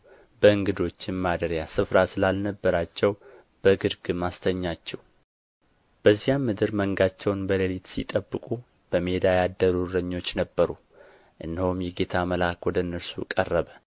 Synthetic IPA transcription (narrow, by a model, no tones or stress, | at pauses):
bəɨŋɡɨd̪o̞t͡ʃːɪnmad̪əɾjasɨfɾasɨlalnəbːəɾat͡ʃːɛw | b̥əɡɨd̪ɡɨmast̪ʰəɲːat͡ʃːɛw | b̥əzːijamːɨd̪ɨɾməŋɡat͡ʃːɛwnbələlit̪sḭt̪ʼəbːɨkʼu | b̥əmed̪ajad̪ːəɾuɾəɲːo̞t͡ʃːnəbːəɾu | ʔɨnːəhumjɛɡe̞t̪ʰaməlakwɔd̪əɨnːəɾsṵkʼərːəβə